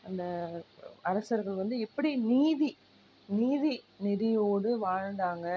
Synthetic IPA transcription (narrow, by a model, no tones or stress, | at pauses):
ɐnd̪ɐ | ɐɾɐsɐɾɣɐɭʋɐnd̪ɯɛpːɐɽiniːði | niːði | nɪɾɪjoːɽɯʋaːɻɳɖ̪aːŋɡɐ